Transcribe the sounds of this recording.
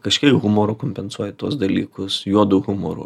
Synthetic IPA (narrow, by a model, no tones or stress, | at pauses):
kɐʃʲkʲɛɪkɣʊmoːɾʊːkomʲpʲɛnsuɔjɛt̪uɔsd̪ɐlʲḭːkʊsjuɔd̪ʊɣʊmo̰ːɾʊ̰